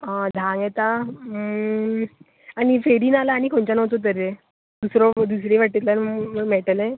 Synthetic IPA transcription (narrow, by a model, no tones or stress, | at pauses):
ad̪ʱãŋɡet̪a | añifeɾiːnalaːɽ̃ikʰoɳt͡ɕanəwt͡s̪ot̪̬əɾe | d̪usɾɔd̪usɾeʋaʈit̪lanmɛʈəlẽ